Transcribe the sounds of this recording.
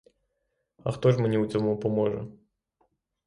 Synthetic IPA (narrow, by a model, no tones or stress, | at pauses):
ɐ̰xt̪ɔʂmɨnʲiwt͡s̪ʲɔmupɔmɔʐɐ̰